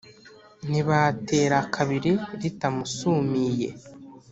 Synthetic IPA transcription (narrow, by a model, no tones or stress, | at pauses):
niβate̞ːɾakʰaβiɾiɾitamusumije̞̰